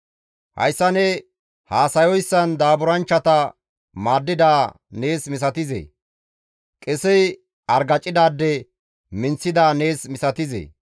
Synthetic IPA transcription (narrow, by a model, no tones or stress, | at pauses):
hɐ̰jsːɐnɛ | haːsɐjɔjsːɐnd̪aːbʊɾɐnt͡ʃːɐt̪ɐ | maːd̪ːɪd̪aː | ne̞ːsmɪs̬ɐt̪ɪzḛ | kʼɛsɛj | ɐɾɡɐt͡ʃʼːɪd̪aːd̪ːɛ | mɪnt͡sːɪd̪aːne̞ːsmɪsɐt̪ɪzḛː